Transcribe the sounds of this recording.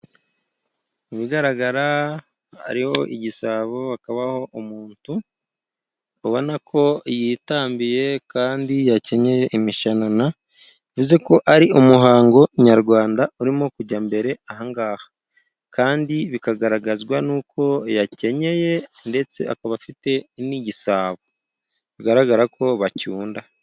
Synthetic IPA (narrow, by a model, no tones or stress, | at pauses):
iβiɡaɾaɡaɾa | a̰ɾiho̞ʔiɟisaβoakaβaho̞ʔumuːntu | uβo̞nakʰo̞jitaːmbije̞kaːndijace̞ɲe̞je̞ʔimiʃanana | ivuze̞ko̞ʔaɾiomuɦaːŋɡo̞ɲaɾɡwaːndauɾimokuɾɟambe̞ɾe̞ahaŋɡaːhḁ | kaːndiβikaɡaɾaɡazɡwanuːkʰo̞jace̞ɲe̞je̞nde̞t͡se̞̰akaβafite̞iniɟisaːβo | βiɡaɾaɡaɾakʰo̞βacuːnda